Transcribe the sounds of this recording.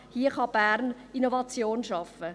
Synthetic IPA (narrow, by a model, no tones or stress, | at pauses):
hiəχɑb̥æːɾn | inovɑt͡sjoːnʃɑfə